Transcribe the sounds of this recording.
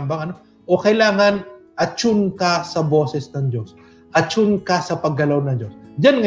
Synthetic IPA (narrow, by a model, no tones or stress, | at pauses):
mbɐŋɐno | ʔokɐjlaːŋɐnʔɐt͡ʃʊnkasɐbo̞ːsɛsnɐŋd͡ʒos | ʔɐt͡ʃʊnkɐsɐpɐɡɐlawnɐŋd͡ʒosd͡ʒanŋɐ